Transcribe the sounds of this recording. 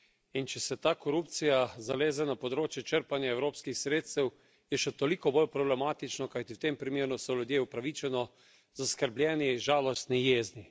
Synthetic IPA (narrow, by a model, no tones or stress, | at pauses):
int͡ʃɛsɛt̪aːkɔɾup̚t̪sijazaleːzɛnapɔd̪ɾoːt͡ʃjɛt͡ʃəɾpanjaɛwɾoːpskixsɾeːt̪st̪ɛw | jɛʃɛt̪ɔlikɔbolpɾɔblɛmaːt̪it͡ʃnɔkajt̪iwt̪empɾimeːɾnusɔlʲjud̪jeːupɾaʋit͡ʃɛnɔ | zaskəɾblʲjɛːniʒaːlɔst̪nijeːzni